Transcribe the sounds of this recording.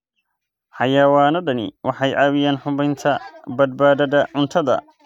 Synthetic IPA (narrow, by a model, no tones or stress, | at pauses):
ħɑjaːwaːnɔɖɐnɪ̰wʔɑħɑjʕʔɑːwɪjaːnħʊβɛjnt̪ʰɐbɐd̪̚baːðɐðɐʕʊnt̪ʰɐðɐ̰